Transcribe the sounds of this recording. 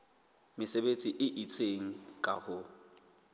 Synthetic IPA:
mɪsebet͡sʼiʔɪʔit͡sʰʼeŋ̩kʼa̰hʊ

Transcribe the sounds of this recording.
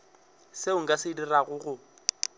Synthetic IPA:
seʊŋ̩kʼasɪdiraɣʊɣʊ

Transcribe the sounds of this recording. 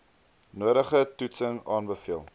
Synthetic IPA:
nuəɾəχətutsəŋɑːnbəfiəlˠ

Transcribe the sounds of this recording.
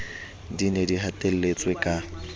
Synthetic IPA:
dinediɦatʼel̩let͡sʼwekʼa

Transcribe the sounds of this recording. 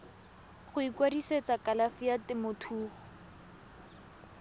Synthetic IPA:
χʊikwadiset͡sakʼalafijatɪmʊtʰuːχʊ

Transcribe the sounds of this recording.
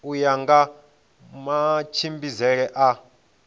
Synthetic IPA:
ujaŋɡa | mat͡ʃʰimbizɛɺɛʔa

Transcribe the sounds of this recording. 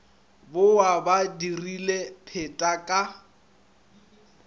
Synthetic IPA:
bʊwabadirilepʰetʼakʼa

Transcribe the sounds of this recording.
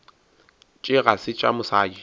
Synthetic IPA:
t͡ʃʼɪɣasɪt͡ʃʼa̰mʊsaːi

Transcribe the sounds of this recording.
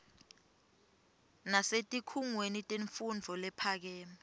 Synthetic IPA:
nasetʼikʰuŋwenitʼeɱfund͡vʱɔlɛpʰak̬ɛːmi

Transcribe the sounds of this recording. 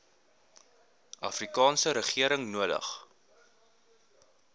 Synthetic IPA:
ʔɐfrikɑːnsəɾəχiəɾəŋnuədə̰χ

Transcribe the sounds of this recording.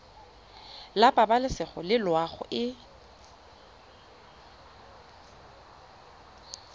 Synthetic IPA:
lapʼabalɪsɪχʊlɪlwaχʊ̰ʔɪ

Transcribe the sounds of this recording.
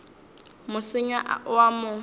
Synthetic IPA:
mʊsɪɲaʔa̰ʔʊamʊ

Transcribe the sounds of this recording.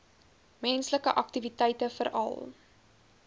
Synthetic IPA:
mɛnsləkəʔɐk̚tivitɛjtəfəɾɐ̰lˠ

